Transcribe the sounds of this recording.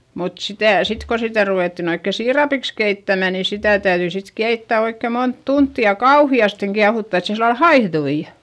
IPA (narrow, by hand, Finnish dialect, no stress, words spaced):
mut sitæˑ sit ko sitæ ruʋeˑtːin oikːe siːrɑpiks keitːæmæ niː sitæ tæyðyi sit keitːæ oikːeˑ mont tuntːi jɑ kɑuhiɑsteŋ kiɑhutːɑ et se silːɑl hɑihðui